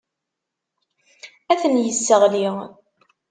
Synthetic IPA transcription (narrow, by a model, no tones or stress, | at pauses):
æθənjəsːəʁliʁ